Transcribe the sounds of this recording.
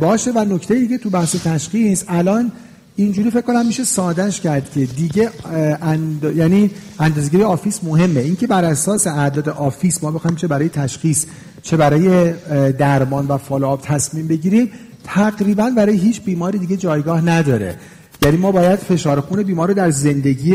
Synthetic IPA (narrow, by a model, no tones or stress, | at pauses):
bɒːʃe̞væno̞cʰt̪ʰejid̪iɟe̞t̪ʰubæhʃet̪ʰæʃχisælɒːn | ind͡ʒuːɾife̞c̚ko̞næmːiʃe̞sɒːd̪æʃcʰæɾd̪̥cʲʰe̞d̪iɟe̞nd̪jæniænd̪ɒːzeɟiɾijeɒːfiːsmo̞ɦe̞mːe̞iŋcʰe̞bæɾʔæsɒːse̞æʔd̪ɒːd̪eʔɒːfiːsmɒːbe̞xɒːhimt͡ʃʰe̞bæɾɒːje̞t̪ʰæʃxis | t͡ʃʰe̞bæɾɒːje̞d̪æɾmɒːnvæfɒːloːb̥̚t̪ʰæsmiːmbe̞ɟiːɾim | t̪ʰæɣɾiːbænbæɾɒːjeɦiːt͡ʃʰbiːmɒːɾid̪iːɟe̞d͡ʒɒːjɡɒːhnæd̪ɒːɾe̞̰ | jæːniːmɒːbɒːjæd̪̥fe̞ʃɒːɾexune̞biːmɒːɾod̪æɾze̞nd̪e̞ɟiː